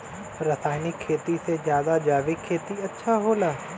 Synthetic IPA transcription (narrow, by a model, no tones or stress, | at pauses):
ɾəsaːɪnɪkʰːeːt̪isezjaːd̪ad͡ʒaːʋikʰːeːt̪iɐtːʃʰaɦoːlaː